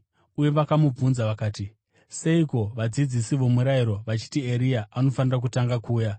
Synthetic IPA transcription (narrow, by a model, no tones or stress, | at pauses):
uje̞ʋakamub͡vunzaʋakaːti | se̞iko̞ʋad͡zid͡zisiʋomuɾaiɾo̞ʋat͡ʃi̥tieɾijaʔano̞fanirak̬utaŋɡakuːja